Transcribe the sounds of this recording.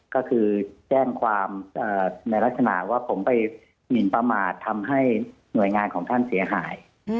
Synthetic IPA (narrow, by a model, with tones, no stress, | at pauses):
kɔː˥˩kʰɯː˧t͡ɕɛː˥˩ŋkʰwaː˧mʔɤː˨˩na˧jla˦˥k̚sa˧na̰˨˩ʔwaː˥˩pʰo˩˦mpa˧j | mi˨˩npa˧maː˨˩t̪ʰːa˧mɦa˥˩j | nu˨˩əjŋaː˧nkʰɔː˩˦ŋt̪ʰa˥˩nsi˩˦ɐɦaː˩˦j